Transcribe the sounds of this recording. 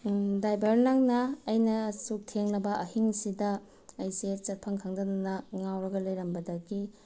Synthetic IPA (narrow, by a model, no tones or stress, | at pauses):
dajbɐɾnɐŋnɐːjnɐsuk̚tʰeŋlɐbɐʔɐhiŋsidɐ | ɐjsieɾt͡ʃɐt̚pʰɐŋkʰaŋdɐnɐnɐŋawɾɐɡɐlɐjɾɐmbɐdɐɡi